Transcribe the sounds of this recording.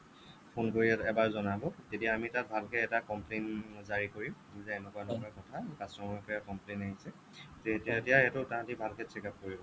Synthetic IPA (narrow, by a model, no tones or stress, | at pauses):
pʰonkoɹiɛɛbaɹzɔnabɔtetijaːmitat̚bʱalkɛɛtakɔmplenzaɹikoɹi | zɛɛnɛkuaɛnɛkɔakɔtʰakasɹɔmɔpɔjakɔmplenaɦisɛ | zeɦetetijaɛtʊtaɦãtibʱalkɛtʰikap̚koɹibɔ